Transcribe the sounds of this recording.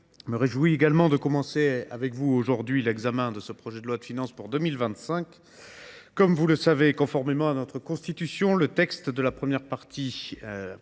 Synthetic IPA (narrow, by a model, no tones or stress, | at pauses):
məʁeʒwieɡalmɑ̃d̪əkɔmɑ̃sea̰vɛkvuoʒuʁd̪ɥilɛɡzamɛ̃d̪əsəpχɔʒɛd̪əlwad̪əfinɑ̃spuʁd̪əmilvɛ̃t̪sɛ̃kː | ɔmvuləsavekɔ̃fɔʁmemɑ̃anɔt̪χəkɔ̃st̪it̪ysjɔ̃lət̪ɛkst̪d̪əlapχəmjɛʁpaʁt̪i